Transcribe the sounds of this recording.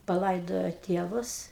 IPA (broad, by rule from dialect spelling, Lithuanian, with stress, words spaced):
pɐˈlˠɐɪdoːjoː ˈtʲeːʋʊs